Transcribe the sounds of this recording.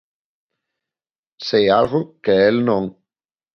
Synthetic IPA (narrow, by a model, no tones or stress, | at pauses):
sejalɣokeelnõŋ